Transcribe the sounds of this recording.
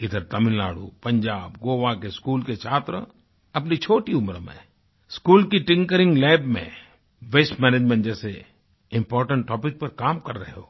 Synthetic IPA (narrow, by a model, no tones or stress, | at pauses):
ɪd̪əɾt̪ɐmɪ̃nla̰ːɽṵpɐ̃ɲd͡ʒaːbɡoːʋakeskuːlket͡ʃʰaːt̪ɾə̰ | ɐpnit͡ʃʰoːʈiʊmɾmḛ̃ | skuːlkiʈɪ̃ŋkəɾɪ̃ŋɡlɛːbmḛ̃ | ʋeːsmɛːneːd͡ʒmɛ̃ɳʈd͡ʒɛːse | ɪ̃mpɔːɾʈə̃ɳʈʈːɔːpɪk̚pɐɾkaːmkɐɾːɐɦeɦoː